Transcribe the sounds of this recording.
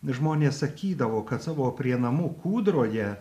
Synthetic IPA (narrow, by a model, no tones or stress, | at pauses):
ʒmoːnʲeːssɐkʲiːd̪ɐʋoːkɐt̪sɑːʋoːpʲɾʲiɛnɐmuːkuːd̪ɾoːjɛ